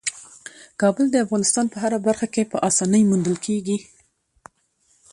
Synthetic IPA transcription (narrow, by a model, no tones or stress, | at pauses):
kɑbəld̪əafɣɑnɪst̪ɑnpəɦaɾabaɾxakepəʔɑsɑnəjmund̪əlkʰeɡi